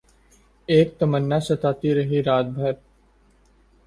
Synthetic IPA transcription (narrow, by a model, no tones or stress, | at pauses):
eːk̚t̪ɐmənːasɐt̪aːt̪iɾɐɦiɾaːt̪̚bʱɐɾ